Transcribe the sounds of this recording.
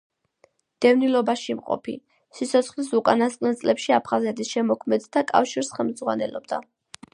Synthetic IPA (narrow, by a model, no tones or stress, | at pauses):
d̪̥ɛvnilɔbaʃimqʼɔ̰pʰḭ | sit̪sʰɔt̪sʰχlisukʼanast̪ʼqʼnɛlt̪sʼlɛpʃiapʰχazɛt̪ʰisʃɛmɔkʰmɛd̪d̪akʼa̰fʃiɾsχɛlmd̪zʁwa̰nɛlɔb̚d̪a̰